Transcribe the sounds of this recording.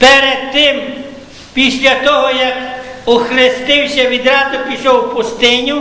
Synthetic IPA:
pɛɾed̪̚t̪ɪm | pʲisʲlʲɐt̪ɔɦɔjɐkʊxɾɪst̪ɪwsʲɐʋʲid̪ɾɑd̪ʊpʲiʃɔwpʊst̪ɪnʲu

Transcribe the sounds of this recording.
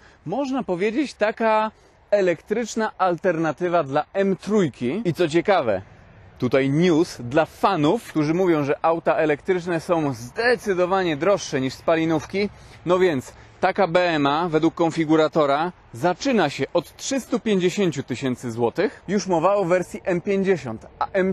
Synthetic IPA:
mɔʐnapɔvʲjed͡ʑet͡ɕt̪aka | ɛlɛkt̪ɾɘt͡ʂnaʔalt̪ɛɾnat̪ɘvad̪laɛmt̪ɾujkʲiit̪sɔt͡ɕɛkavɛ̰t̪ut̪ajɲusd̪lafanufkt̪uʐɘmuvʲjɔ̃w̃ʐɛʔawt̪aʔɛlɛkt̪ɾɘt͡ʂnɛsɔ̃w̃zd̪ɛt̪sɘd̪ɔvaɲɛd̪ɾɔʂːɛɲiʂspalʲinufkʲi | nɔvʲjɛnt̪s | t̪akabɛɛmavɛd̪wukːɔnfʲiɡuɾat̪ɔɾa | zat͡ʂɘnaɕɛʔɔt̪tʂɘst̪upʲjeɲd͡ʑeɕeɲt͡ɕut̪ɘɕɛnt̪sɘzwɔt̪ɘxjuʂmɔvawɔvːɛɾsʲjiʔɛmpʲjeɲd͡ʑeɕɔ̰nt̪aʔɛm

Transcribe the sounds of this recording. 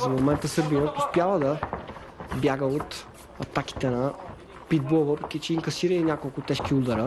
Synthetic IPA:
zɐmomɛnt̪əsəɾbinət̪ʊspjavəd̪ɐ | bjaɡəot̪ | ɐt̪aki̥t̪ɛnɐ | pid̪̚bɔlˠvɤpɾɛkʲit͡ʃɛiŋkɐsiɾəinʲakolˠkʊt̪ɛʃkʲiud̪ɐɾə

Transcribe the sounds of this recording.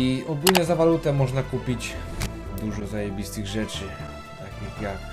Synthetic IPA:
iʔɔɡulɲɛzavalut̪ɛmɔʐnakupʲid͡ʑ | d̪uʐɔzajɛbʲist̪ɘɣʐɛt͡ʂɘ | t̪akjakja

